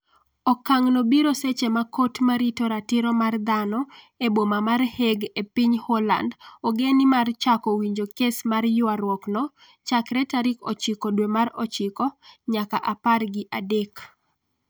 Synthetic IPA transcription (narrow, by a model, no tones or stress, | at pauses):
ɔkaŋnobiɾoset͡ʃemakotmaɾitoɾatɪɾɔmard̪anɔ | ebomamarheɡepiɲhɔla̰ndɔɡenɪmart͡ʃakɔwiɲd͡ʒokesmarjʊaɾwɔknɔ | t͡ʃakɾɛtaɾikɔ̰t͡ʃɪkɔdwemaɾɔt͡ʃɪkɔɲakaʔaparɡɪʔadek